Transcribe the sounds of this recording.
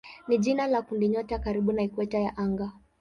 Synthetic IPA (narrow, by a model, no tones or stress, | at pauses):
niʄinalakundiɲɔtakaɾiɓunaikwɛtajaʔaŋɡa